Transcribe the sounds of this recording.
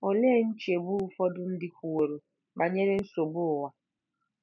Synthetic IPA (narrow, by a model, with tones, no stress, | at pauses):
o˨le˦˨n̩˦t͡ʃe˨bu˦fɔ˦dʊ˦n̩˦dɪ˦kʷu˨wo˨ɾo˨ | ba˨ɲe˦ɾe˦n̩˦so˨bʊ˦˨wa˨